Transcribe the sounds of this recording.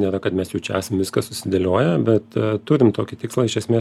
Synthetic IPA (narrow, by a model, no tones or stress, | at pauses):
nʲeːɾɐkɐt̪mʲɛsjɛʊt͡ʃʲɛæːsɐmʋʲɪskɐsʊsʲɪd̪ʲelʲoːjɛbʲɛt̪t̪ʊɾʲɪmt̪oːkʲɪt̪ʲɪkslˠɐɪʃʲɛsmʲeːs